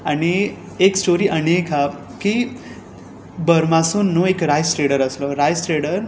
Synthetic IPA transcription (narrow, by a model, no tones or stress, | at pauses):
aɽ̃i | eksʈoɾiːʔəneka | ki | bəɾmasunːoekɾajsʈɾeɽəɾəslɔɾajsʈɾeɽəɾ